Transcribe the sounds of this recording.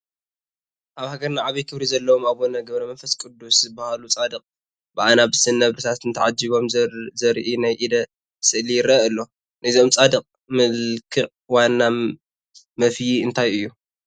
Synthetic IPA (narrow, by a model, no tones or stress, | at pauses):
ʔaβhaɡɐɾnaʕaβikʰɨβɾizɐlːɐwomaβonɐɡɐβɾɐmɐnfɐskʼud̪ːuszɨbːahalut͡sʼad̪ɨqʼ | b̥ɨʔanabɨsɨnːɐβɾɨt̪ʰat̪ɨnt̪ʰɐʕad͡ʒiβo̞mzɐɾʔinajʔid̪ɐ | sɨʔlijɪɾɐʔɨlːo̞ | nɨizo̞mt͡sʼad̪ɨqʼ | mɨlkʰɨʔʼ | wanːa | mɐfjiɨnt̪ʰajɨjːu